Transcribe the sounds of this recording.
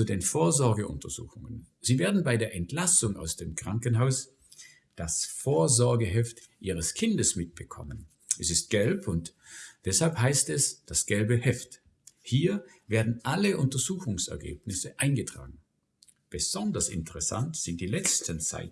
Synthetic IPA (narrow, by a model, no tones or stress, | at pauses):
t͡sudeːnfoːɐzɔɐɡəʔʊ̰ntɐz̥ṵːxʊŋənz̥iːveːɐdn̩baɪdeːɐʔɛntlasʊŋa̰ʊsd̥eːmkʁ̥aŋkənɦaʊs | d̥asfoːɐzɔɐɡəɦɛftʔḭːʁ̞əskʰɪndəsmɪt̚b̥əkʰɔ̰mən | ʔɛsɪst̚ɡ̥ɛlpʊntd̥ɛshalphaɪstɛsd̥asɡ̥ɛlbəhɛft | hiːɐveːɐdn̩ʔaləʔʊntɐzuːxʊŋsɛ̰ɐɡḛːpnɪsəʔaɪnɡətʁ̥a̰ːɡŋ̩ | b̥əz̥ɔndɐsɪ̰ntəʁɛsa̰ntz̥ɪntd̥iːlɛt͡stənt͡sa̰ɪt